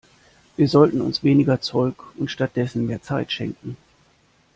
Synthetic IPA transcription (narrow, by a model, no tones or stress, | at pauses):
viːɐzɔltn̩ʊ̰nsv̥eːnɪɡɐt͡sɔlkʊntʃtat̚d̥ɛsn̩meːɐt͡saɪtʃɛ̰ŋkŋ̩